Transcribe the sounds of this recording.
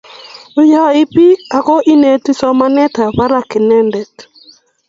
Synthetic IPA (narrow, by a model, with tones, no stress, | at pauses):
ʊ˦ja˦˨i˦pi˦a˨kɔ˦ʔi˦ne˨ti˦sɔ˦ma˦nɛ˦ta˨βa˦ɾa˨kɪ˨nɛ˦ndɛ˨t